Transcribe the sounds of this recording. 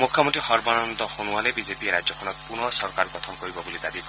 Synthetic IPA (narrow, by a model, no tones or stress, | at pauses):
mukʰjɔmontɹixɔɹbɔnɔnd̪ɔxonualebizepieɾazɔkʰɔnɔt̪̚punɔsɔɹkaɾɹɡɔt̪ʰɔmkoɹibɔbulid̪abi